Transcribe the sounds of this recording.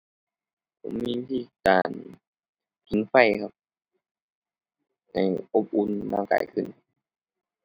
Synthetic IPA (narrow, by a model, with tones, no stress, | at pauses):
pʰo˧˩˦mmiː˧i˧t̪ʰiː˧˩kaː˨˩n | t̪ʰi˨˦ŋfa˧˩jkʰa˧p̚ | na˧˩jʔo˧˥p̚ʔu˧nlaː˧˩ŋka̰ː˨˩jkʰɯ˧˩n